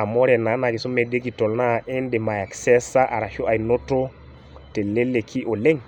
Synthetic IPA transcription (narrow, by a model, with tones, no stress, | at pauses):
a˨mo˦ɾe˨na˨˦na˨ki˨su˦me˨de˦ki˨to˨lna˦˨ʔe˦nde˨ma˨ja˨kse˦sa˦ʔa̰˨ɾa˨ʃo˦ʔa˨jno˦to˦ | te˨le˦le˨kʰi˦ʔo˨le˦ŋ